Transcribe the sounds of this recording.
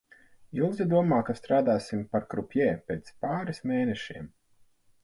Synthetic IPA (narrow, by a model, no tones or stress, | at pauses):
ilˠzʲid̪uɔmaːkast̪ɾaːd̪aːsimpaɾkɾupʲjɛːpʲeːt̪spaːɾismeːnɛʃiɛm